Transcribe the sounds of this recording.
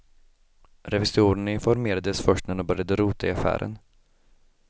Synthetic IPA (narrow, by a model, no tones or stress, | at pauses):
ɾɛvɪsuːɾəɳɪnfɔɾmeːɾad̪əsfœʂʈnɛnɔbœɾjad̪əɾuːt̪aɪafæ̰ːɾʔə̰n